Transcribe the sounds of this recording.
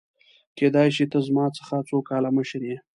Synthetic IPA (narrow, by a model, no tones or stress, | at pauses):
ked̪ɑjʃit̪əzmɑt͡sə̥xat͡sokɑlaməʃɾje